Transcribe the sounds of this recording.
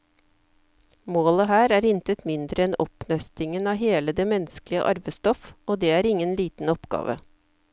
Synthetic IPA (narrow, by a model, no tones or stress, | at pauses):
moːləɦæːɾæːɾɪnt̪ət̪mɪnd̪ɾəɛnɔpnœst̪ɪŋənɑːɦeːləd̪eːmɛnsklɪə̰ʔɑ̰ɾʋəst̪ɔfoːd̪eːæːɾɪŋənliːt̪n̩ɔpɡɑ̰ːʋə̰